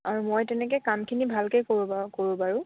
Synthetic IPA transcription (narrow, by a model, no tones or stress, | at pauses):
aɹumojtɛnɛkɛkamkʰinibʱalkɛjkoɹukoɹubaɹʊ̃